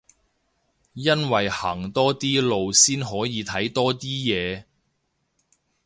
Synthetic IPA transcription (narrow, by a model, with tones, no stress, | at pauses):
jɐ˥nwɐ˨jhɐː˨˩ŋt̪ɔː˥t̪iː˥lo˨wsiː˥nɦɔː˨˥jiː˨˧t̪ʰɐ˨˥jt̪ɔː˥t̪iː˥jɛː˨˧